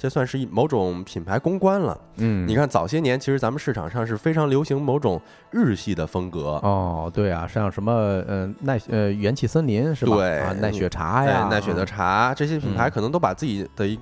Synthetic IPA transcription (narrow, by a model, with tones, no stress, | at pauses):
t͡ɕɛ˥˧swa˥˧nʂɻ̩˥˧i˥˩mo˧˥ʊʈ͡ʂʊ˨˩ŋpʰi˨˩npʰa˧˥ɪkʊ˥ŋkwa˥nlə̰˨˩ | n̩˥˩ni˨˩kʰa˥˩nt͡sɑ˨˩ʊɕjɛ˥njɛ˧˥nt͡ɕʰi˧˥ʂɻt͡sa˧˥mə˧nʂɻ̩˥˩ʈ͡ʂʰɑ̰˨˩ŋʂɑ˥˧ŋʂ̬ɻ̩˥˩fe˥ɪʈ͡ʂʰɑ˧˥ŋljo˧˥ʊɕi˧˥ŋmo˧˥ʊʈ͡ʂʊ˨˩˦ŋ | ɻɻ̩˥˧ɕi˥˩d̪ə˩fɤ˥ŋkɤ˧˥ɔ˥˩t̪we˥˩ɪa̰˨˩ʂjɑ˥˧˩ŋʂə˧˥nmə˧ə˧na˥˩ɪə˧ɥɛ˧˥nt͡ɕʰi˨˥˩sə˥nli˧˥nʂɻ̩˥˩t̪bwe˥˩ɪ˧na˥˩ɪɥɛ˧˥ʈ͡ʂʰa̰˧˥e˥˧˩na˥˩ɪɕɥɛ˨˩d̪ə˧˦ʈ͡ʂʰa˧˥ʈ͡ʂɤ˥˩ɕ̬jɛ˥pʰi˨˩npʰa˧˥ɪkʰnɤ˧˥ŋt̪o˥ʊpa˨˩t͡sɹ̩˥˩t͡ɕi˨˩d̪̥ə˦i˧˥